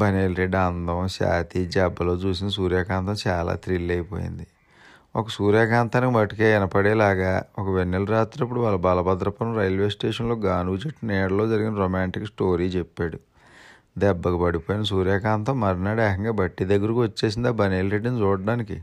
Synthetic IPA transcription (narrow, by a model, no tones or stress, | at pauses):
bɐneːlɾeɖɐnd̪ɐwʃa̰ːt̪id͡ʒɛbːɐlo̞ːt͡ʃuːsind̪ɐs̬uːɾjaːkaːnt̪ɐmt͡ʃaːla̰ːt̪ɾilːɐjpo̰ːjḭnd̪i | ɔkɐsuːɾjaːkaːnt̪aːnikimɐʈikeːɛnɐpɐɽeːlaːɡaːɔkɐʋenːelɾaːt̪ɾɐpːuɽuʋaːlɐbaːlɐbɐd̪ɾɐpɐnɐmɾɐjlʋeːsʈeːʂɐnlo̞ːɡaːnuːt͡ʃeʈːnɛːɽɐlo̞ːd͡ʒɐɾiɡinɐɾoːmaːɳʈiksʈoːɾiːt͡ʃepːaːɽu | d̪ɛbːɐkupɐɽipoːjinɐsuːɾjaːkaːnt̪ɐmːɐɾnaːɽɛːkɐŋɡaːbɐʈːid̪ɐɡːɐɾikiʋɐt͡ʃːe̞ːs̬ind̪aːbɐneːlɾeɖːɐnit͡ʃɔːɽɖaːnikḭ